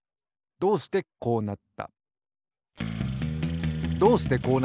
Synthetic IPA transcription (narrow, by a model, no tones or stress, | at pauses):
d̪o̞ːsi̥t̪e̞ko̞ːnat̪ːa̰ | d̪o̞ːɕi̥t̪e̞ko̞ːn